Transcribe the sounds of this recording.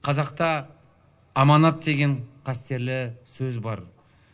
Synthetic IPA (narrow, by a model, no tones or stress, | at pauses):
qʰɑzɑq̚t̪ɑː | mɑnɑt̪̚d̪e̞ɡʲe̞ɴqʰɑst̪e̞ɾlɪsɵzbɑɾ